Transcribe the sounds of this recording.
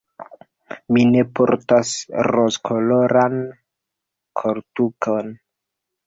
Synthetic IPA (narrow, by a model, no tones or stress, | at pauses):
mine̞po̰ɾtasɾoskʰoloɾan | kʰoɾtukʰon